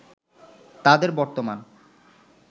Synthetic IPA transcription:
t̪ad̪eɾbɔɾt̪oman

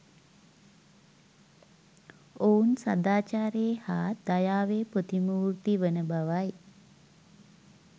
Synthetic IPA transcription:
ounsa̰d̪aːt͡ʃaːɾeːhaːd̪̥ajaːʋeːpot̪imuːrt̪iʋənəbaʋaj

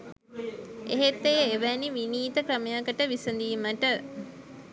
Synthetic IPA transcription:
eɦet̪ːejəeʋæniʋiniːt̪əkɾəmejakəʈəʋisənd̪iːməʈə

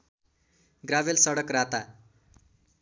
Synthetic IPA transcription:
ɡrabelsʌɽʌkrat̪a

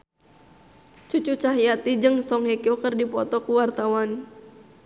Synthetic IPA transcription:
t͡ʃut͡ʃut͡ʃaɦiat̪id͡ʒɨŋsɔŋhɛkiɔkərdipɔt̪ɔkuwart̪awan

